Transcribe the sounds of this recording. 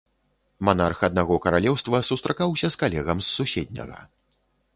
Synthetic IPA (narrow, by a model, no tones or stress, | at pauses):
manarxɐd̪̚naɣɔkɐɾalʲɛwst̪vɐsust̪ɾakawsʲɐskalʲɛɣɐmsːusʲɛd̪ʲnʲɐ̰ɣɐ̰